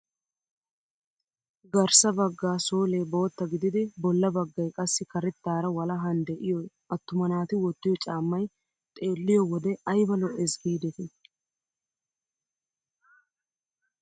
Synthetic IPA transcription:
ɡɐɾsɐbɐɡːaːsoːle̞ːbo̞ːt̪ːɐɡɪd̪ɪd̪ɪbɔlːɐbɐɡːɐjkʼɐsːɪkɐɾɛt̪ːaːɾɐwɐlɐɦɐnd̪ɛʔɪjɔj | ɐt̪ːʊmɐnaːt̪ɪwɔt̪ːɪjɔt͡ʃʼaːmːɐj | t̪ʼe̞ːlːɪjɔwɔd̪ɛɐjbɐlɔʔɛsɡiːd̪ɛt̪ɪ

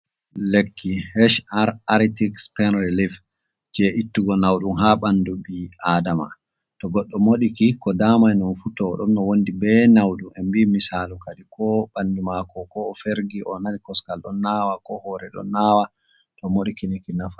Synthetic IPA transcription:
lekʰːihɛʃaɾaɾtikspɛnɾilif | d͡ʒɛʔitːuɡɔnawɗumɦaɓandubiadama̰ | tɔɡɔɗːɔmoɗikikɔdamajnɔnfutɔɗɔnːɔwondibɛnawɗumʔɛmbimisalukaɗikɔɓanːdimakɔkɔːfeɾɡiʔɔnanikɔskalɗɔnːawakɔhɔɾɛɗɔ̰nːawa | tɔmoɗikinikinafa

